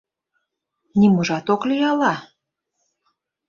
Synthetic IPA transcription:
nimɤʒɑt̪oklijɑlɑ

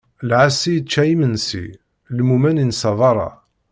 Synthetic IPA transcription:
lʕasijt͡ʃːæjimənsḭ | lmumæninsɑðˤɑɾˤɑ̰

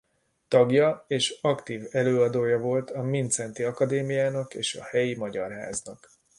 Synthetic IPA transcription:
t̪ɒɡjɒeːʃɒkt̪iːvɛløːɒd̪oːjɒvo̞lt̪ɒmint̪sɛnt̪iɒkɒd̪eːmijaːnɒkḛːʃɒ̰hɛjimɒɟɒ̰rɦa̰ːznɒk

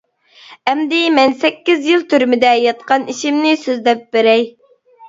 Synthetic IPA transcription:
ɛmd̪ɪmɛnsɛkʲːizjilˠt̪ʰyɾmɪd̪ɛjɑt̪̚qɑniʃimnɪsøzd̪ɛp̚beɾɛj

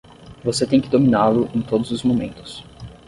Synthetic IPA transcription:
voset̪ẽj̃kɪd̪ominalʊʔẽj̃t̪od̪ʊzʊzmomḛ̃nt̪ʊ̥s

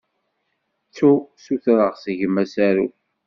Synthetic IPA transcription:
t͡sːusuθɾəʁsəʝəmæsæɾṵ

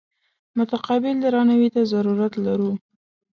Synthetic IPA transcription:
mʊt̪aqɑbɪld̪əɾɑnawit̪azaɾuɾat̪laɾu

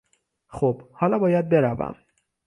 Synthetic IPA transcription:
xob̥hɒːlɒːbɒːjæd̪̚be̞ɾævæ̰m

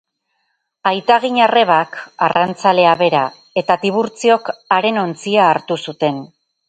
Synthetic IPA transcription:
ajt̪aɣ̞iɲare̞β̞aka̰rant͡sale̞aβe̞ɾa | e̞t̪at̪iβ̞uɾt͡sio̞kaɾe̞no̞nt͡siaːɾt̪usut̪e̞n

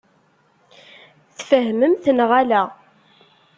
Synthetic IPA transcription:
θfəɦməmθənʁælæ

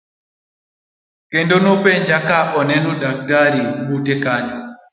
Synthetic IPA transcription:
kɛndɔnɔpɛɲd͡ʒakaʔɔnɛnɔɗak̚taɾibutɛkaɲɔ

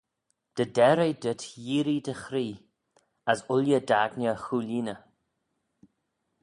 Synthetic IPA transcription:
d̪̥ədɛɾəjd̪ɪtjiːɾid̪əxɾiː | asʊljəd̪aːɡnəxuːliːnə

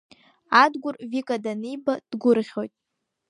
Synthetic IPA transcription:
adɡʷʊrvikʼadanijbad̥ɡʷʊrʁʲo̞jtʼ

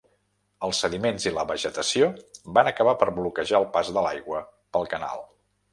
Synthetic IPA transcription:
əlˠsəðimenziləβəʒət̪əsiobanəkəβ̞apəɾβlukəʒaəlˠpazðəla̰jɣwə | pəlˠkəna̰lˠ

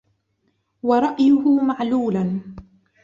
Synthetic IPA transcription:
wɑɾˤɑʔjʊhʊmaʕluːlan

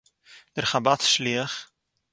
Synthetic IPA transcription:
d̥ərχabatsliəχ

